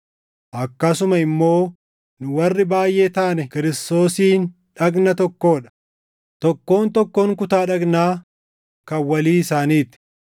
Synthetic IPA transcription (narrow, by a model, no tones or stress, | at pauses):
ʔɐkːɐsʊmɐɪmːo̞ː | nʊwɐrːɪbaːjʔeːt̪aːnɛkɪɾɪst̪o̞ːsiːn | ᶑɐɡnɐt̪ɔkːo̞ːᶑɐ̥ | t̪ɔkːo̞ːnt̪ɔkːoːŋkʊt̪aːᶑɐɡnaː | kɐwɐliːɪsaːniːt̪ɪ̥